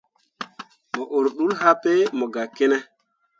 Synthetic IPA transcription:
mɔ˨ʔo˨ɾɗu˦lha˦pe˦mɔ˨ɡa˨ke˦nɛ˦

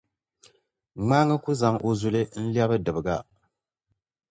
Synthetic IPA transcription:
ŋ͡maː˦ŋɨ˦ku˦za˨ŋʔo˨zu˨lɨ˦n̩˦li˦a˦bɨ˦dɨ˨bɨ˨ɡa˦

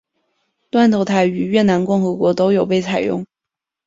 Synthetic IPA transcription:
t̪wa˥nt̪ʰo˧˥ʊt̪ʰa˥˩ɪy˨˩ɥɛ˥˩na˧˥nkʊ˥˩ŋxɤ˧˥kwɔ˧˥t̪o˥ʊjo˨˩ʊpe˥˩ɪt͡sʰa˨˩ɪjʊ̰˥˩ŋ

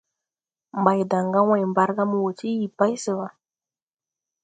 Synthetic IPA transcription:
mba˨jda˨ŋɡa˦wa˨jmba˦ɾɡa˦mu˨wo˨t͡ʃi˦ji˨pa˦jsə˨wa˨

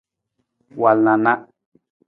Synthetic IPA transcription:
wa˨lnã˨nã˦

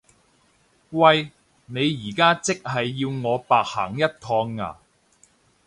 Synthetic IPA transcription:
wɐ˧j | ne˨˧jːiː˨˩kaː˥t͡sɪ˥k̚hɐ˨jːiː˧wŋɔː˨˧paː˨k̚ha̰ː˨˩ŋjɐ˥t̚t̪ʰɔː˧ŋːa̰ː˨˩

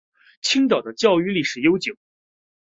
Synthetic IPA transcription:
t͡ɕʰi˥ŋt̪ɑ˨˩ʊd̪ə˦t͡ɕjɑ˥˧ʊy˥˧li˥˩ʂɻ̩˨˩jo˥ʊt͡ɕjo˨˩˦ʊ

